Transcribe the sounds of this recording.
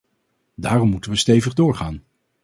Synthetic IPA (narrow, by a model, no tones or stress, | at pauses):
daːrɔmːutənʋəstejvəχdʊːɹχaːn